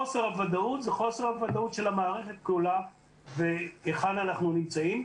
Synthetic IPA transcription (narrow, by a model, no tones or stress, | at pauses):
ose̞ʁhavad̪aut̪zeχo̞se̞ʁhavad̪autʃe̞lhamaːʁe̞χe̞t̪̚klula | veeχad̪anaχnunimt͡saim